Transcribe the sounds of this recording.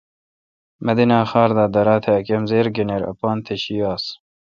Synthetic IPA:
mɐd̪inɑːxɑːɾd̪aːd̪ɐɾɑːt̪ʰeɐkemzeːɾɡeneɾɐ̰pɑːnt̪ʰeɕiɑːs

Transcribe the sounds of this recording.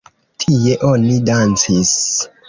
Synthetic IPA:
tʰie̞ʔo̞nidant͡sis

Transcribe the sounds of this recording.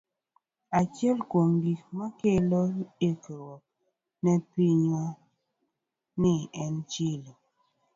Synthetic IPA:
at͡ʃjɛlkoŋɡikmakelɔekəɾwɔ | nɛpiɲwa | neʔɛnt͡ʃilɔ

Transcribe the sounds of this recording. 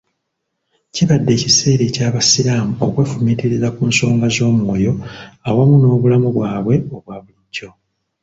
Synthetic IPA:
ciβadːe̞ːcise̞ːɾe̞caːβasiɾaːmuokwe̞ːfumitiɾizakuːnso̞ːŋɡazo̞ːmwo̞ːjo̞awamuno̞ːβulamuβwaːβwe̞o̞βwaːβuliɟːo̞

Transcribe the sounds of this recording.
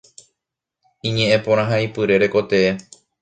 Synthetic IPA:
ĩɲẽ̞ʔẽpõɾ̃ãɦaipɨɾe̞ɾe̞ko̞t̪e̞e

